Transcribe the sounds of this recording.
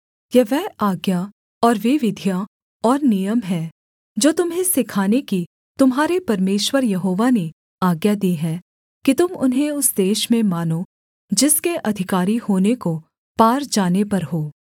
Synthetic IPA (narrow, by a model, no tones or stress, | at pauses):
jɛʋɛːaːɡja | ɔːɾʋeʋɪd̪ʱja | ɔːɾnijəmɦɛː | d͡ʒoːt̪ʊmɦẽsɪkʰaːneki | t̪ʊmɦaːɾepɐɾmeːʃwəɾjɐɦoːʋane | aːɡjad̪iɦɛ̃ | kit̪ʊmʊ̰nɦẽʊsd̪eːʃmẽmaːno | d͡ʒɪskeʔɐd̪ʱɪkaːɾihoːneko | paːɾd͡ʒaːnepɐɾɦoː